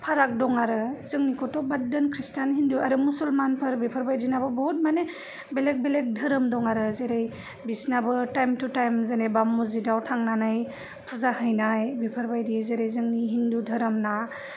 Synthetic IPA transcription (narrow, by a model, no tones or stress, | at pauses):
pʰaɾak̚dɔŋaɾɯzɯŋnikʰɔtɔbadɯnkʰɾistanɦinduaɾɯmusulmanpʰɯɾbipʰɯɾbajzinabɯbɔɦut̚mane | belek̚belek̚dʱɯɾɯmdɔŋaɾɯzeɾej | bisnabɯtajmtutajmzenebamːuzidawtʰaŋnanaj | pʰuzahɯjnajbipʰɯɾbajdizeɾejzɯŋniɦindudʱɯɾɯmna